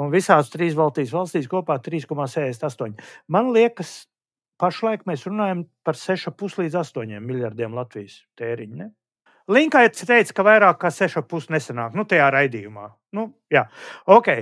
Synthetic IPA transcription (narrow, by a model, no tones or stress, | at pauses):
unvisaːst̪ɾiːs̬valˠst̪iːsʋalˠst̪iːskuɔpaːt̪ɾiːskɔmaːsɛːd̪esʲnt̪ast̪uɔɲʲmanlˠiɛkəs | paʃlˠajkmɛːsɾunaːjampaɾsɛʃapuslˠiːd̪zast̪uɔɲʲiɛmːilʲjaɾd̪ʲiɛmlˠat̪vijst̪eːɾiɲnɛ | lˠiŋkajt̪st̪ejt̪skavajɾaːkːaːsɛʃapusnesanaːknut̪ajaːɾajd̪iːjuma̰ː | nu | jaːoːkʲɛj